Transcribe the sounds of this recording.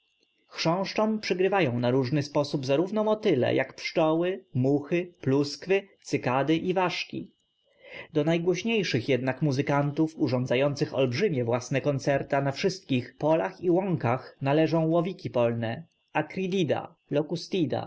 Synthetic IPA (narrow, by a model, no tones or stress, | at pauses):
xʂɔ̃w̃ʂt͡ʂɔ̃mpʂɘɡɾɘvajɔ̃w̃naɾuʐnɘspɔsubzaɾuvnɔmɔt̪ɘlɛ̰jʔakpʂt͡ʂɔwɘmuxɘpluskfɘt̪sɘkad̪ɘʔivaʂkʲḭ | d̪ɔnajɡwɔɕɲejʂɘxjɛd̪nakmuzɘkant̪ufuʐɔ̃nd̪zajɔnt̪sɘxɔ̰lbʐɘmʲjɛvwasnɛkɔnt̪sɛɾt̪anafʂɘst̪̚kʲixpɔlaxiwɔŋkaxnalɛʐɔ̃w̃wɔvʲikʲipɔlnɛ | akɾʲid̪ʲid̪a̰ | lɔkust̪ʲid̪a̰